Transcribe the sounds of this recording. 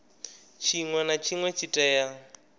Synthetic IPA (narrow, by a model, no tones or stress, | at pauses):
t͡ʃʰiŋwɛnat͡ʃʰiŋwɛt͡ʃʰitʼɛja